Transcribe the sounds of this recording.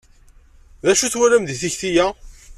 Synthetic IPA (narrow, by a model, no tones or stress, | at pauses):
ðæʃuθwæɾæmðiθiçθijæ